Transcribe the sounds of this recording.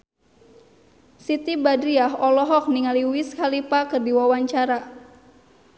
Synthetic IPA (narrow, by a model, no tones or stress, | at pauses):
sit̪ibadɾiaɦɔlɔɦɔk̚niŋaliwiskalipakɨrdiwawaɲt͡ʃaɾa